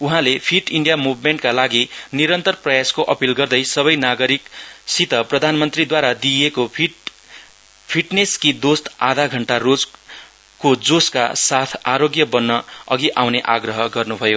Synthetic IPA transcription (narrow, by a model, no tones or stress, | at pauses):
uɦãlepʰiʈiɳɖijamubmeɳʈkalaɡiniɾʌnt̪ʌrprʌjaskoʔʌpilɡʌrd̪ʌjsʌbʌjnaɡʌɾiksit̪ʌprʌd̪ʱanmʌnt̪rid̪waɾad̪ieko | pʰiʈneskid̪ost̪ad̪ʱaɡʱʌɳʈarod͡z | kod͡zoskasat̪ʰaɾoɡjʌbʌnːʌʌɡiʔawneʔaɡrʌɦʌɡʌrnubʱʌjo